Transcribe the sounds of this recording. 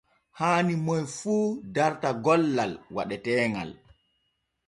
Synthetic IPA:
haːnimɔjfuːdaɾtaɡɔlːalwa̰ɗɛtɛːŋɡa̰l

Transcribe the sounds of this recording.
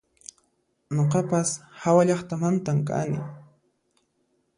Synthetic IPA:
ɲoqɑpashawaʎɑχt̪amant̪amka̰nɪ̰

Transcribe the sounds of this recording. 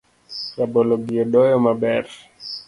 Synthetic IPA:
jabɔlɔɡiɔɗɔjɔmaɓɛɾ

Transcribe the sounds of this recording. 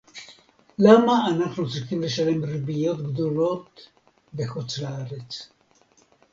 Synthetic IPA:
lamaːnaχnut͡sʁiχimle̞ʃale̞mribijo̞t̪ɡd̪o̞lo̞t̪ | beχut͡slaaʁet͡s

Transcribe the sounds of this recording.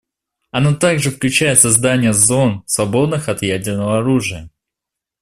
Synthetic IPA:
ɐnot̪aɡʐɨfklʲʉt͡ɕæjɪt̪sɐzd̪anʲɪjəzo̞nsvɐbo̞d̪nɨxɐt̪jædʲɪrnəvəɐɾuʐɨjə

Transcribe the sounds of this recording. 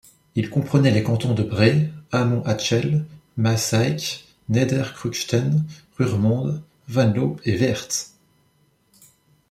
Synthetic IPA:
ilkɔ̃pχənɛlekɑ̃t̪ɔ̃d̪əbʁeamɔ̃ʔat͡ʃɛlmasajkʲ | ned̪ɛʁkχykʃt̪ɛnʁyʁmɑ̃d̪ | vãnlopevɛʁt̪

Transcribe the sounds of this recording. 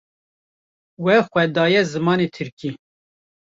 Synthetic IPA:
wɛxʷɛd̪ɑːjɛzɨmɑːnet̪ʰɨɾki

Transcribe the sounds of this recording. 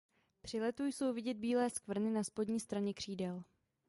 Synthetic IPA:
pr̝̥ɪlɛt̪ujso̞wvɪɟɛd̪̚biːlɛːskvr̩nɪnaspodɲiːst̪ɾaɲɛkr̝̥iːdɛl

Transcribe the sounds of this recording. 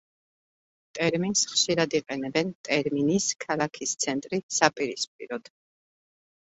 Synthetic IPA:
t̪ʼɛɾminsχʃiɾad̪iqʼɛnɛbɛnt̪ʼɛɾminiskʰalakʰist̪sʰɛnt̪ʼɾisapʼiɾispʼḭɾɔd̪̥

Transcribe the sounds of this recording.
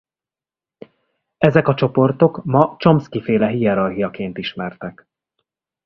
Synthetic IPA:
ɛzɛkɒt͡ʃo̞po̞rt̪o̞kmɒt͡ʃo̞mskifeːlɛɦijɛɾɒrɦijɒkeːnt̪iʃmɛrt̪ɛk

